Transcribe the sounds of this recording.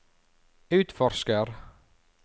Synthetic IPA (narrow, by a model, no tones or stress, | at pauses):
ʉːt̪fɔɾskəɾ